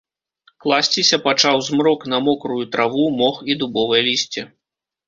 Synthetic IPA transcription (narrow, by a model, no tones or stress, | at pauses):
klˠasʲt͡sʲisʲɐpat͡ʂawzmɾɔknɐmɔkɾujut̪ɾʔavumɔxid̪ubɔvɐjɐlʲisʲt͡sʲɛ